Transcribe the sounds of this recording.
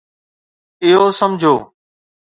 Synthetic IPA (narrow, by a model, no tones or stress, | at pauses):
ɪɦoːsəmd͡ʑʱoː